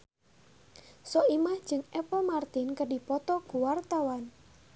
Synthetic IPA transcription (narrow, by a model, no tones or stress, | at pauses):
sɔimahd̥d͡ʒ̥ɨŋɛpɔmart̪ɪnkəɖipɔt̪ɔkuwart̪awan